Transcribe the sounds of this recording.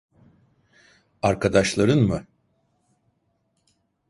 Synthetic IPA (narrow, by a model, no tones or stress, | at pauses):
aɾkʰad̪aʃlˠaɾɯnmɯ